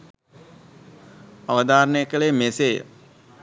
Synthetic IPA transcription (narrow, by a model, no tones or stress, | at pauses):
aʋəd̪aːɾəɳəjəkəɭemeseːjə̰